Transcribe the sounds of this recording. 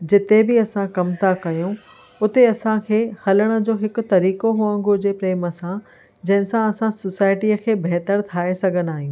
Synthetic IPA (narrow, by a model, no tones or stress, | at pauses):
d͡ʑɪt̪ebɪɐsãkɐmt̪ʰakɐjõ | ʊt̪eɐsãkʰeːhɐləɽ̃ə̆d͡ʑoːɦɪkʊ̆t̪ɐɾiːkoɦuə̃ŋɡod͡ʑeːpɾeːmə̆sã | d͡ʑɐ̃ɦɪ̃sãɐsãsosaːɪʈiəkʰeːbɛɦt̪əɾt̪ʰaːesɐɡʱən̆aːɦijũː